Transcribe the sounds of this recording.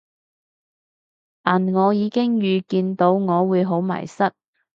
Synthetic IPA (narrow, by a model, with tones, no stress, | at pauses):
aː˨˩nŋɔː˨˧jiː˨˧kɪ˥ŋjyː˨˧kiː˧nt̪o˨˥wŋɔː˨˧wuː˨˧jɦo˨˥wmɐ̰˨˩jsɐ˥t̚